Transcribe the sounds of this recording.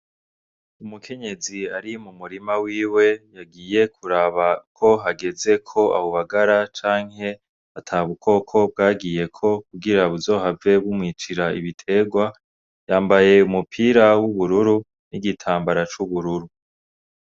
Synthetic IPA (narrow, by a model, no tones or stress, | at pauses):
umukʰe̞ɲe̞ziaɾimumuɾimawiːwe̞jaɡiːje̞kʰuɾaβakʰo̞ɦaɡe̞ze̞kʰo̞ʔa̰βoβaɡaɾat͡ʃaːŋhe̞ | atʰaβukʰo̞kʰo̞b̚ɡaːɡije̞kʰo̞k̚uɡiɾaβuzo̞ːɦave̞βumŋiːt͡ʃiɾaḭβitʰe̞ɡwa | jaːmbaje̞umupʰiːɾawuβuɾuɾu | niɡitʰaːmbaɾat͡ʃuβuɾuɾu